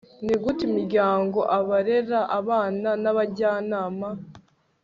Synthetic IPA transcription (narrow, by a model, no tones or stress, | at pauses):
niɡutimiɾɟaːŋɡo̞ʔaβaɾe̞ɾaʔaβaːnanaβaɟaːnaːma